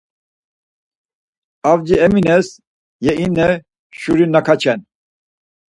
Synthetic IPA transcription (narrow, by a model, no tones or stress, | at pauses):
avd͡ʒiɛminɛs | jɛinːɛ | ʃuɾinakʰat͡ʃʰɛn